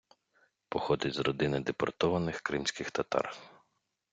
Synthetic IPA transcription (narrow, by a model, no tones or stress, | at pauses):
pɔxɔd̪ɪtʲzɾɔd̪ɪnɪd̪epɔrt̪ɔʋɐnɪxkɾɪmsʲkɪxt̪ɐt̪ɑ̰r